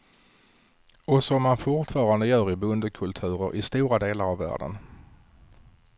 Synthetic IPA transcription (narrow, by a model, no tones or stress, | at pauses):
ɔsɔmːanfʊʈfɑːɾand̪əjœːɾɪbɵnd̪əkʰɵlt̪ʰʉ̟ːɾəɾʔɪst̪uːɾad̪eːlaɾavːæ̰ːɖə̰n